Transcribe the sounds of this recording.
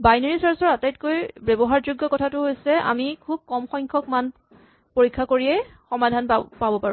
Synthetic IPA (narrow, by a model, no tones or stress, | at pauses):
bajnaɹisaɹsɔɹatajtkojbebɔɦaɹzuɡːɔkɔtʰatʊɦojsɛa̰mikʰub̚kɔmxɔjŋkʰɔkman | poɹikʰːakoɹiɛxɔmadʱanpabɔpaɹu